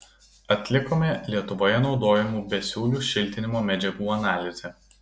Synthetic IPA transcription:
ɐt̪ʲlʲɪkoːmʲelʲiɛt̪ʊʋoːjɛnɒʊd̪oːjɛmuːbʲɛsʲuːlʲuːʃʲɪlʲˑt̪ʲɪnʲɪmoːmʲɛd͡ʒʲɛɡuːɐnɑːlʲɪzʲɛ

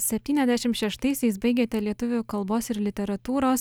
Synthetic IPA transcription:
sʲɛpʲt̪ʲiːnʲɛzʲd̪ʲæʃʲɪmt̪ʃʲɛʃt̪ɐɪsʲɛɪsbɐɪɡʲeːt̪ʲɛlʲiɛt̪ʊʋʲʊkɐlˠboːsɪɾlʲɪt̪ʲɛɾɐt̪uːɾoːs

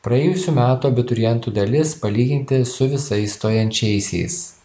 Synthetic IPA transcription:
pɾɐɛːjʊsʲuːmʲæːt̪ubʲɪt̪ʊɾʲɪjɛnt̪uːd̪ɐlʲɪspɐlʲiːɡʲɪnʲt̪ʲɪsʊʋʲɪsɐɪst̪oːjɛnʲt͡ʃʲɛɪsʲɛ̰ɪs

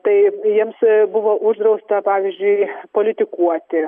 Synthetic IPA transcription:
t̪ɐɪjiɛmsbʊʋoːʔʊʒd̪ɾɐʊst̪ɐpɑːʋʲizʲd͡ʒʲʊɪpoːlʲɪt̪ʲɪkuɔt̪ʲɪ

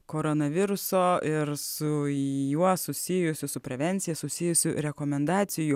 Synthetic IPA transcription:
koːɾonɐʋʲɪɾʊsoːɪɾsʊjuɔsʊsʲɪjʊsʲʊsʊpʲɾʲɛʋʲɛnʲt̪sʲɪjɛsʊsʲɪjʊsʲʊɾʲɛkoːmʲɛnd̪ɑːt̪sʲɪjʊ

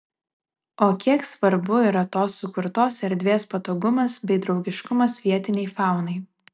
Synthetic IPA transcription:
oːkʲiɛksʋɐɾbʊiɾɐt̪oːsːʊkʊɾt̪oːsɛɾʲd̪ʲʋʲeːspɐt̪oːɡʊmɐsbʲɛɪd̪ɾɒʊɡʲɪʃkʊmɐsʋʲiɛt̪ʲɪnʲɛɪfɑˑʊnɐɪ

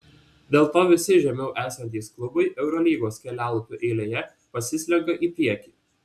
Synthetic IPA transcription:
d̪ʲeːlˠt̪oːʋʲɪsʲɪʒʲɛmʲɛʊʔæːsɐnʲt̪ʲiːsklˠʊbɐɪʔɛʊɾɔlʲiːɡoːskʲɛlʲæːlˠʊpʲʊʔɛɪlʲeːjɛ | pɐsʲɪsʲlʲɛɡɐʔiːpʲiɛkʲiːˑ

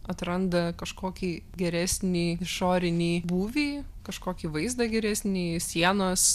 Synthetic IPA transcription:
ɐt̪ɾɐnd̪ɐkɐʃkoːkʲiːɡʲɛɾʲæːsʲnʲiːɪʃoːɾʲɪnʲiːbuːʋʲiː | kɐʃkoːkʲiːʋɐɪzd̪ɐɡʲɛɾʲæːsʲnʲiːsʲiɛnoːs

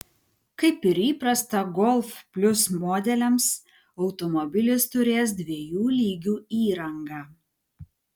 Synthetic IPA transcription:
kɐɪpɪɾiːpɾɐst̪ɐɡɔlˠfpʲlʲʊsmoːd̪ʲɛlʲɛms | ɒʊt̪ɔmɔbʲɪlʲɪst̪ʊɾʲeːs̬d̪ʲʋʲiɛjuːlʲiːɡʲuːiːɾɐŋɡɑː

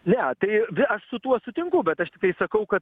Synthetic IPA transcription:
nʲɛt̪ɐɪʋʲɪɐʃsʊt̪uɔsʊt̪ʲɪŋkʊbʲɛt̪ɐʃt̪ʲɪk̚t̪ɐɪsɐkɐʊkɐt̪

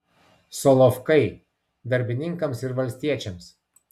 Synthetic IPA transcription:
sɔlˠɔfkɐɪ | d̪ɐɾʲbʲɪnʲɪŋkɐmsɪɾʋɐlʲsʲt̪ʲiɛt͡ʃʲɛms

